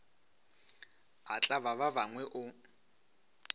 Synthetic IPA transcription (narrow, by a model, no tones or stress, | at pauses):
at͡ɬʼaβaβabaŋwɛʔʊ